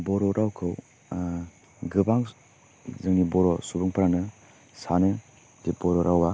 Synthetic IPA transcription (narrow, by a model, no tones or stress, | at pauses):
bɔɾɔɾʔawkʰɯw | ɡɯbaŋ | zɯŋnibɔɾɔsubuŋpaɾaŋnɯ | sanɯ | dibɔɾɔɾʔawa